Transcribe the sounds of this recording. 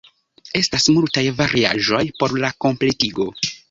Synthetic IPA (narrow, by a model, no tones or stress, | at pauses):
e̞stasmultajvaɾʔia̰ʒo̞jpo̞ɾlako̞mple̞tiɡo̞